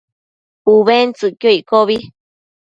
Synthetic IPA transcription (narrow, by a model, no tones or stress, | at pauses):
uβent͡sɨkjoikoβi